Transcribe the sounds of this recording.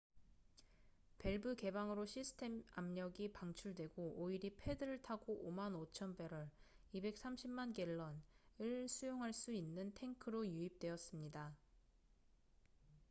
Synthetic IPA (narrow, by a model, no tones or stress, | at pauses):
pe̞ɭbɯke̞baŋɯɾoɕʰisʰɯ̥tʰe̞mamɲʌɡipaŋt͡ɕʰuɭdwe̞ɡooiɾipʰe̞dɯɾɯɭtʰaɡoʔomanot͡ɕʰʌnbe̞ɾʌɾ | ibe̞k̚s͈ʰamɕʰimmanɡe̞ɭːʌnɯɭsʰujoŋɦaɭs͈uinːɯntʰe̞ŋkʰɯɾojuip̚t͈we̞jʌs͈ɯmɲida